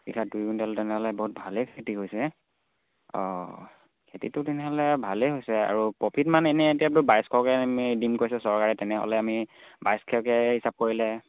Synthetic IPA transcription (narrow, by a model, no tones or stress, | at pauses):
bikʰadujɡuntɛɔltɛnɛɦɔlɛboɦut̚bʱalekʰetiɦojsɛ | ɔ̰ | kʰetḭtʊtɛnɛɦɔlɛbʱaleɦojsɛa̰ɹupɹɔpʰitmanenɛetijaɹubajskʰɔwkɛmidimkoɹisɛsɔɹkaɹɛtɛnɛɦɔ̰lɛamibajskʰɛkɛɦisap̚koɹilɛ